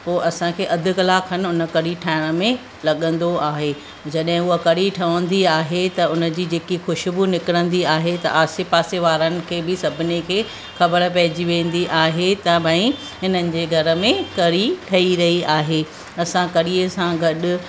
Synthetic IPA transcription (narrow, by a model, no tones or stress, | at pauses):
poːʔɐsãkʰeːʔɐd̪ʱɪ̆kɐlaːkɦənɪ̆ʊnə̆kɐɽiʈʰaːɪɽ̃ə̆mẽ | lɐɠə̃nd̪oaːɦeː | d͡ʑɐɗɦɪ̃ʊɦəkɐɾiʈʰɐʋə̃nd̪iaːɦet̪ɐʊnə̆d͡ʑiːd͡ʑeːkixʊʃʊbʊnɪkɪɽə̃nd̪iaːɦet̪ɐ̰ʔaːsepaːseʋaːɾənɪ̆kʰeːbɪsɐbʱɪnekʰeː | xɐbəɾpɐɦɪd͡ʑiʋẽːnd̪iʔaːɦet̪ɐbʱɐ̃ĩ | ɦɪnənɪ̆d͡ʑeːɡʱɐɾə̆mẽkɐɾiʈʰɐiɾɐɦiaːɦeː | ɐsãkɐɾiːəsãɡɐɗʊ̆